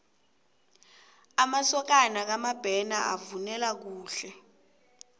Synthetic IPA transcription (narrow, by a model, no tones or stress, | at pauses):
amasɔk̬anak̬amab̥ʱɛnaʔa̰vunɛlak̬uːɬɛ